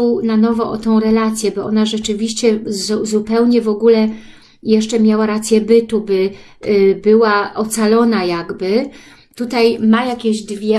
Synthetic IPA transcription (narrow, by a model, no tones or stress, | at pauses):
wnanɔvɔʔɔt̪ɔ̃w̃ɾɛlat̪sʲjɛbɔʔɔ̰naʐɛt͡ʂɘvʲiɕt͡ɕɛzuzupɛwɲɛvɔɡulɛ | jɛʂt͡ʂɛmʲjawaɾat̪sʲjɛbɘt̪ubɘ | bɘwaʔɔt̪salɔnajaɡbɘ | t̪ut̪ajmajakʲeʑd̪vʲjɛ